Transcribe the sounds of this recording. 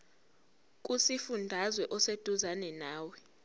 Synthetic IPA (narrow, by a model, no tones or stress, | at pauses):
k̬ʼusifundʱazwɛʔɔsed̥ʱuzanɛnaːwɛ